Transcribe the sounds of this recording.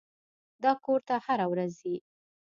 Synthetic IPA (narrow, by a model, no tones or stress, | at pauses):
d̪ɑkoɾt̪ahaɾawɾazi